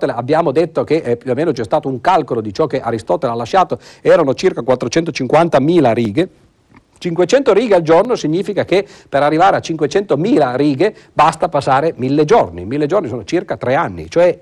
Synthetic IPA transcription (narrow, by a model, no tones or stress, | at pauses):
t̪eleabːjaːmod̪et̪ːokeʔɛpːjuemeːnot͡ʃɛst̪aːt̪ouŋkalkolod̪it͡ʃɔkːeʔaɾist̪ɔːt̪elalːaʃːaːt̪oɛːɾanot͡ʃirkakwat̪ːɾot͡ʃɛnt̪ot͡ʃiŋkwant̪amiːlaɾiːɡe | t͡ʃiŋkwet͡ʃɛnt̪oɾiːɡeald͡ʒornosiɲːiːfikake | peɾarːivaːɾeat͡ʃiŋkwet͡ʃɛnt̪omiːlaɾiːɡe | bast̪apasːaːɾemilːed͡ʒornḭmilːed͡ʒornisoːnot͡ʃirkat̪ɾɛanːḭt͡ʃoɛ